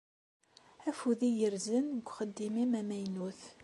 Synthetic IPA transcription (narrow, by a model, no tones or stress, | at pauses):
æfuðijəɾzənɡʷχəd̪ːimimæmæjnuθ